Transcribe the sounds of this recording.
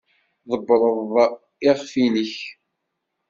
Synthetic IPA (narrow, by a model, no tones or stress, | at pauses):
ðˤəbːɾˤəð | ɪʁfinəç